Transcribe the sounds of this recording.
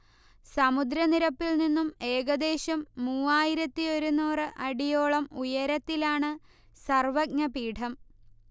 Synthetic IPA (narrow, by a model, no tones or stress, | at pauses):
sɐmud̪ɾɐniɾɐpːilninːume̞ːɡɐd̪e̞ːɕɐmːuːaːjiɾɐt̪ːio̞ɾunuːrɨʔɐɽijo̞ːɭɐmujɐɾɐt̪ːilaːɳɨ | sɐrʋɐɡ̚ɲɐpiːʈʰɐm